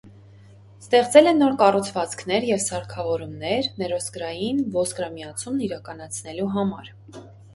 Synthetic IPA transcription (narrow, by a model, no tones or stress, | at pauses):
st̪ɛχt͡sɛlɛnːɔɾkɑrut͡sʰvɑt͡skʰnɛɾjɛvsɑɾkʰɑvɔɾumnɛɾnɛɾɔskɾɑjinvɔskɾɑmiɑt͡sʰumniɾɑkɑnɑt͡sʰnɛluɦɑmɑ̰ɾ